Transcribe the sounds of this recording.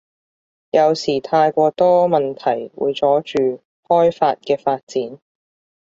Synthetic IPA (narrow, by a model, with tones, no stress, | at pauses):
jɐ˨˧wsiː˨˩t̪ʰaː˧jkʷɔː˧t̪ɔː˥mɐ˨nt̪ʰɐ˨˩jwṵː˨˧jt͡sɔː˨˥t͡ʃyː˨ | hɔː˥jfaː˧t̚kɛː˧faː˧t̚t͡siː˨˥n